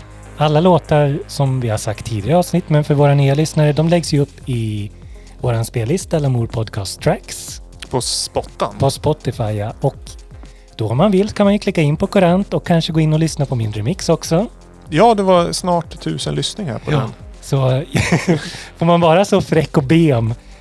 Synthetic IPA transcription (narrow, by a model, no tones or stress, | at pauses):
alːaloːt̪aɾsɔmvɪhaʂsak̚t̪ʰːiːd̪ɪɡaɾəɑːvsnɪt̪ːmɛnfœɾvoːɾanyːalʏsnaɾəd̪ɔmlɛɡsjɵɵpːɪ | voːɾanspeːlɪst̪ɛlːəɾmuːɾpʰɔd̪kʰɑːst̪ʰːɾæks | pʰɔpɔt̪ːa̰npʰɔspɔt̪ːɪfajaɔk | d̪̥ɔɔmːanvɪlːsɔkʰanmanjɵklɪkːaɪnːpʰɔkʰɔɾant̪ɔkʰːanʂəɡoːɪnːɔlʏsnapʰɔmɪnd̪ɾəmɪksɔksɔ | jɑːd̪ɛvasnɑːʈt̪ʰʉ̟ːsənlʏsnɪŋha̰ɾpʰɔd̪ɛ̰nsɔ | fɔɾmanvɑːɾasɔfɾɛkːɔbeːm